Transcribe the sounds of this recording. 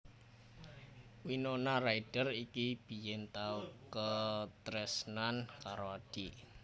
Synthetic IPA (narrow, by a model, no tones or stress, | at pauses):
winonaraid̥ərikib̥ijɪnt̪aukət̪ɾɛsnankaɾoad̥i